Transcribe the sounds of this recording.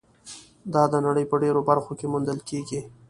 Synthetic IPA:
d̪ɑd̪ənaɽəjpəɖeɾobaɾxokemund̪əlkeɡi

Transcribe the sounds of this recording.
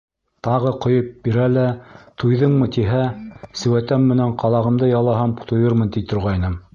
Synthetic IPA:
t̪ɑʁɤqŏjɤp̚biɾælæt̪ujðɤɴmɤt̪iɦæsɘ̆wæt̪æmːɘ̆næɴqɑlˠɑʁɤ̆md̪ɤjɑlˠɑɦɑmt̪ŏjɤɾmɤnt̪ipt̪ŏɾʁɑjnɤm

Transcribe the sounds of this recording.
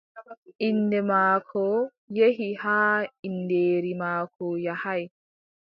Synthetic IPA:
ʔinːdɛmaːkʰɔ | jeɦihaːindeːɾimaːkʰɔjahaj

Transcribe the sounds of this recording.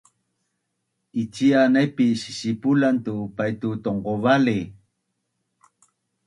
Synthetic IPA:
it͡ʃianajpiɕi̥sipulant̪upajt̪ut̪oɴqovali

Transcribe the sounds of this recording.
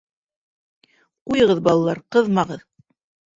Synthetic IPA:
qujɤ̆ʁɤðbɑlˠɑlˠɑɾqɤðmɑʁɤð

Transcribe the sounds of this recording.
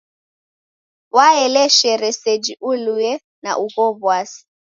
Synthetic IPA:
waɛlɛʃɛɾɛsed͡ʒiʔulujɛ | na̰ʔukɔβwaːsi̥

